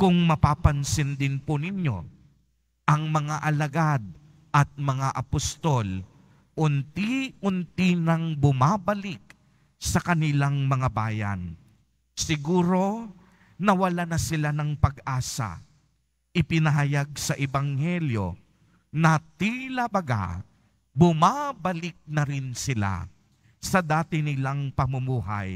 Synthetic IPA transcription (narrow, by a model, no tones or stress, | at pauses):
kʊŋmɐpapɐnsɪnd̪ɪnpʊnɪɲjo̞̰ | ʔɐŋmɐŋaʔɐlɐɡad̪̚ | ʔɐt̪̚mɐŋaʔɐpost̪o̞l | ʔʊnt̪iʔʊnt̪inɐŋbʊmabɐlɪk̚ | sɐkɐnɪlaŋmɐŋabaːjɐ̰n | sɪɡuːɾo̞ | nɐwɐlanɐsɪlanɐŋpɐɡʔaːsa̰ | ʔɪpɪnɐɦɐjaɡ̚sɐʔɛbɐŋhɛljo̞̰ | nɐt̪ilɐbɐɡa̰ | bʊmabɐlɪk̚nɐɾɪnsɪla̰ | sɐd̪aːt̪ɪnɪlaŋpɐmʊmuːɦa̰j